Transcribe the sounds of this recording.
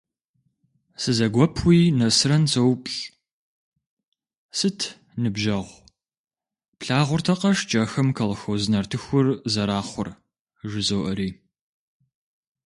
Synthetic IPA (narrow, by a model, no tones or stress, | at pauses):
sɨzɐɡʷɔpʰwiːnɐsɨrɐnt͡sɐwpʼɬ | sɨtʰ | nɨbʒɐʁʷ | pɬaːʁʷʊrtʰɐqɐʃt͡ʃʼɐxɐmkʰɐlxɐwzɨnɐrtʰɨxʷʊrzɐɾaːχʷʊr | ʒɪzowʔɐɾiː